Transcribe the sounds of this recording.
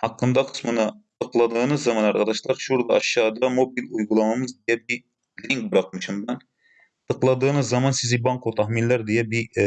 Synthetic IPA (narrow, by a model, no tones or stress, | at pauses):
hɑqːɨnd̪ɑqʰə̥smɨnɨt̪ʰəqlˠɑd̪əʁnɨzɑmɑnɑɾʁɑd̪ɑʃlˠɑɾʃuɾd̪ɑɑʃːɑːd̪ɑmobilujʁulˠɑmɑmɨzd̪ejɛbi | liŋk̚bɨɾɑqmɨʃumd̪ɑn | t̪ʰəqlˠɑd̪əʁnɨzzɑmɑnsɪzɪbɑŋqʰot̪ʰɑhminlˠɑɾd̪ejɛbi